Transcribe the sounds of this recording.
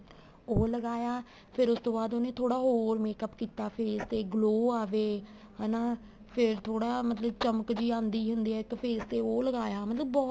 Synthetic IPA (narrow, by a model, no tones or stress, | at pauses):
oːləɡaːjaː | pʰɪɾʊst̪õːbaːd̪oːneːt̪ʰoːɽaːɦoːɾmeːkəpkiːt̪aːpʰeːst̪eːɡloːaːʋeː | ɦɛːnaː | pʰɪɾt̪ʰoːɽaːmət̪ləbt͡ʃəməkd͡ʒiːaːʊnd̪iːɦʊnd̪iːɛːɪkpʰeːst̪eːoːləɡaːjaːmət̪ləbɔː